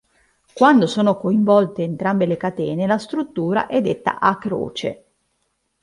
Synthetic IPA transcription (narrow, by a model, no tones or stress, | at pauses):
kwand̪osoːnokoiɱvɔlt̪eːnt̪ɾambelekat̪ɛːnelast̪ɾut̪ːuːɾa̰ʔɛd̪ːet̪ːa̰ʔakːɾo̰ːt͡ʃḛ